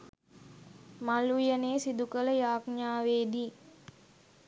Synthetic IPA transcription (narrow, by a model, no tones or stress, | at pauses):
malujəneːsid̪ukələjaːkɲaːʋeːd̪iː